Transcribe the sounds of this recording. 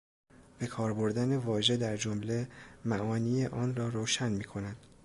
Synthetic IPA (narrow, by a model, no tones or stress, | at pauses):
b̥e̞kʰɒːɾboɾd̪æne̞vɒːʒe̞d̪æɾd͡ʒo̞mle̞mæʔɒːniːjeʔɒːnrɒːɾoːʃænmiːkʰo̞nænd̪̥